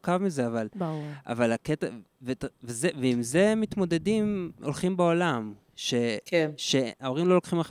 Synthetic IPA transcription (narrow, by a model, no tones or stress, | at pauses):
kavmize̞avalba̰valaket̪a | vet̪vezeveimze̞mit̪mo̞d̪e̞d̪imo̞lχimbeo̞lam | ʃe̞kenʃe̞ao̞ʁimlo̞lo̞kχimaχ